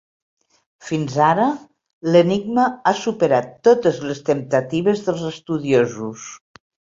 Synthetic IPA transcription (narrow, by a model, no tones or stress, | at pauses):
finzaɾə | ləniɡ̚məasupəɾat̪ːot̪əzləst̪əmt̪ət̪iβəzðəlˠzəst̪uðiozus